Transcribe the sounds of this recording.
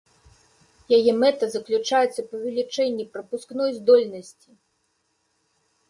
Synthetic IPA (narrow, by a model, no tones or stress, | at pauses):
jajɛmɛt̪ɐzɐklʲut͡ʂajɛt̪sːɐpɐvʲɛlʲit͡ʂɛnʲːipɾɐpuskn̪ɔjzd̪ɔlʲnɐsʲt͡sʲi